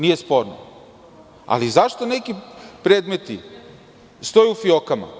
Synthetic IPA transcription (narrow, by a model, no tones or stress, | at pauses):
nije̞spo̞ɾno̰ | a̰lizaʃt̪one̞kipɾeːd̪met̪i | st̪o̞juufiokama̰